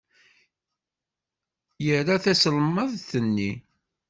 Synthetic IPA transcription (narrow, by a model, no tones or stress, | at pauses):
jəɾaθæsləmːəðθənːi